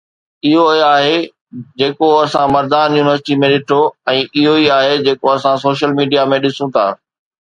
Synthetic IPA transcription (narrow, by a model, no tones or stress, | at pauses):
ɪɦoiaːɦe | d͡ʑeːkoɐsãmɐɾd̪aːnjuːnɪʋəɾsɪʈimẽɗɪʈʰoɛ̃ːʔɪɦoiaːɦed͡ʑeːkoɐsãsoːʃəlmiːɖijamẽɗɪsũt̪ʰa̰ː